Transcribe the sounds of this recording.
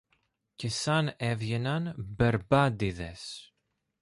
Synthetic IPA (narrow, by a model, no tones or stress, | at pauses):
ce̞sɐnevʝe̞nɐnbe̞ɾbɐd̪iðe̞s